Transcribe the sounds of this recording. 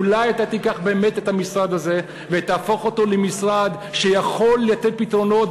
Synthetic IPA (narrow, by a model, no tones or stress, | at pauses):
ulajat̪at̪ikaχbeːme̞t̪e̞t̪amisʁad̪aze̞ | vet̪aːfo̞χo̞t̪o̞lemisʁad̪ | ʃejaχo̞lːejated̚pit̪ʁo̞no̞t